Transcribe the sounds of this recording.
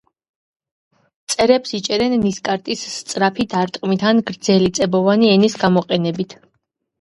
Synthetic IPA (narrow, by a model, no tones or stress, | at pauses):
t̪sʼɛɾɛpsit͡ʃʼɛɾɛnːiskʼaɾt̪ʼist̪sʼɾapʰid̪aɾt̪ʼqʼmit̪ʰanɡɾd̪zɛlit̪sʼɛbɔvaniɛnisɡamɔqʼɛnɛbit̪ʰ